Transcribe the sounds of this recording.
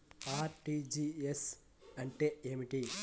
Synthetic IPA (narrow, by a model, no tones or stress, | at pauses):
aːɾʈid͡ʒies | ɐɳʈeːeːmiʈi